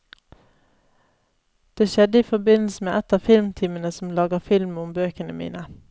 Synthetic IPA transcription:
d̪̥eːʃɛd̪əiːfɔbɪnl̩səmeːʔɛt̪ɑfɪlmt̪ʰɪmənəsm̩lɑːɡəfɪlmʊmbøːkənəmḭːnə

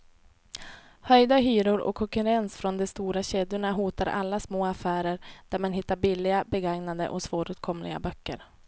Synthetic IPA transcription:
hœjd̪aɦyːɾʊɾɔ̰kʰːɔŋkɵɾɛnsfɾɔnd̪ɛst̪uːɾaɕeːd̪jʊɳaɦuːt̪aɾʔa̰lːasmoːafæːɾəɾd̪̥æɾman̪ɦɪt̪ːaɾbɪlːɪɡabɛɡaŋnad̪ə̰ʔɔsv̥oːɾʉːt̪̚kʰɔmlɪ̰ɡa̰bœkːə̰ɾ

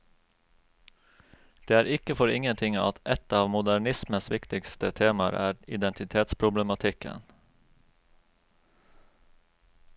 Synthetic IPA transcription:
d̪̥eːæːɾʔɪkəfɔɾɪŋənt̪ʰɪŋɑ̰t̪ʔɛt̪ɑːʋmʊd̪æɳɪsməsʋɪkt̪ɪkst̪ət̪ʰeːmɑɾʔæ̰ːɾɪd̪ɛnt̪ɪt̪ʰeːt̪spʰɾʊbləmɑt̪ʰɪkə̰n

